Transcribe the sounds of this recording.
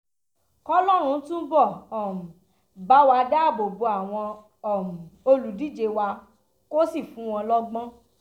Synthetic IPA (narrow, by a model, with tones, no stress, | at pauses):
kɔ˦lɔ˦ɾ̃ũ˧˦tũ˦bɔ˦˨ɔ˨m̩˨ | ba˨˦wa˧da˦˨bo˨bu˧˦a˦˨w̃ɔ̃˧ | ɔ˨mũ˨o˧lu˨di˨˦˨d͡ʒe˧wa˧ | ko˦si˦˨fũ˨˦w̃ɔ̃˧lɔ˦ɡ͡bɔ̃˦